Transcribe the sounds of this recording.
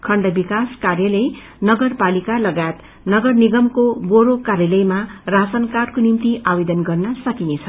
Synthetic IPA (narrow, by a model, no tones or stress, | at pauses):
kʰʌɳɖʌbikaskarjʌlʌj | nʌɡʌrpalikalʌɡajet̪ | nʌɡʌrniɡʌmkoboɾokarjelʌjmarasʌnkarkonimt̪iʔabed̪ʌnɡʌrnʌsʌkinet͡sʰʌ